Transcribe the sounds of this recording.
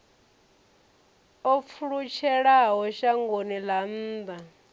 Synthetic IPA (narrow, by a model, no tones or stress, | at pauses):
ɔp̪fʰuɺut͡ʃʰɛɺaɦɔʃaŋɡonilam̩ːba